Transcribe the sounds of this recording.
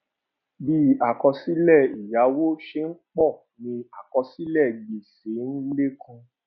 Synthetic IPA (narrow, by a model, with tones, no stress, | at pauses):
bi˦a˨kɔ˧si˦lɛ˦˨i˨ja˨˦wo˦ʃe˧ŋ̩˦k͡pɔ˦˨ | nĩ˧a˨kɔ˧si˦lɛ˦˨ɡ͡be˨se˨˦n̩˦le˦kʰã˧